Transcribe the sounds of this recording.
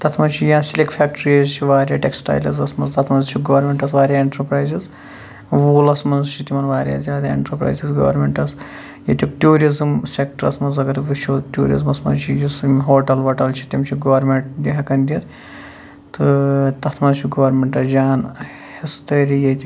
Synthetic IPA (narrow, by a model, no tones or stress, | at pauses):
t̪ɐt̪ʰmɐnt͡ʃʰijãːsilʲekfʰʲaːk̚ʈɾiɐzt͡ʃʰiʋaːɾʲjaːʈeksʈa̰ːjlɐzɐsmɐnzt̪ɐt̪ʰmɐnzt͡ʃʰiɡɐʋɐɾmʲeɳʈɐsʋaːɾʲjaːeɳʈɐɾpɾaːjziz | ʋuːlɐsmɐnzt͡ʃʰit̪imɐnʋaːɾʲja̰ːzʲjaːd̪aːḛɳʈɐɾpɾa̰ːjzizɡɐ̰ːʋɐ̰ɾmeɳʈɐs | jɐt̪ʲikʈʲuːɾizɨmsʲek̚ʈɐɾɐ̰smɐnzɐɡɐɾʋiʃʰoːd̪tʲuːɾḭzmɐsmɐ̰nzt͡ʃʰijismɦoːʈɐlɦoːʈɐlt͡ʃʰi̥t̪ʲimʲt͡ʃʰiɡɐʋɐɾmʲeɳʈ̚d̪ʲiɦɐkɐnd̪ʲiɐt̪ | t̪ɨt̪ɐt̪ʰmɐnt͡ʃʰiɡɐʋɾmʲeɳʈɐsd͡ʒaːn | hist̪ɐːɾijet̪ʲi